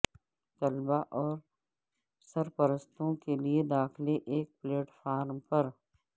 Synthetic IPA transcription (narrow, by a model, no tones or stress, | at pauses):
t̪ɐlbaʔɔːɾ | sɐɾpɐɾəst̪õkelied̪aːxleʔeːk̚pleːʈfaːɾmpɐɾ